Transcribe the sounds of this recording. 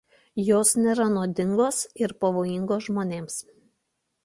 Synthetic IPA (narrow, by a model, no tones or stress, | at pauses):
joːsnʲeːɾɐnuːd̪ʲɪŋɡoːsɪɾpɐʋoːjɪŋɡoːsʒmoːnʲeːms